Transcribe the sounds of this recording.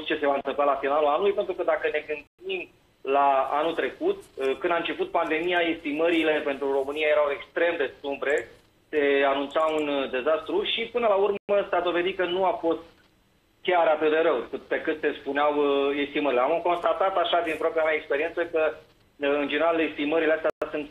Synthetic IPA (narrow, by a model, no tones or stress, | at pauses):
st͡ʃe̞se̞vaɨnt̪ɨmplalafinalulanulujpent̪ɾukəd̪akəne̞ɡɨnd̪im | laa̰nut̪ɾe̞kut̪kɨnd̪aɨnt͡ʃe̞put̪̚pand̪e̞mijae̞st̪iməɾilepe̞nt̪ɾuro̞mɨniaje̞ɾawe̞kst̪ɾe̞md̪e̞st̪umbɾe̞ | se̞anunt̪saund̪e̞zast̪ɾuʃipɨnəlaurməsad̪o̞ve̞d̪it̪kənuafo̞st̪̚ | kʲaɾat̪ɨt̪d̪e̞ɾəwkɨpe̞kɨt̪se̞spuneawest̪iməɾileamko̞nst̪at̪at̪aʃad̪inpɾoapɾiameaekspe̞ɾie̞nsəkə | ɨnd͡ʒeneɾale̞kst̪iməɾileast̪ʲaasunt̪